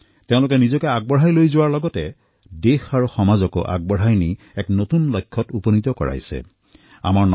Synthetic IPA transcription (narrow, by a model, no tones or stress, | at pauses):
teʊ̃lʊkɛnizɔkɛaɡ̚bɔɹɦajlojzʊwaɹlɔɡɔtɛ | dexaɹuxɔmazɔkɔ̰ʔa̰ɡ̚bɔɦajni | ɛknotunlɔjkʰːɔtuponit̪ɔkɔɹa̰jsɛ̰ | a̰maɹn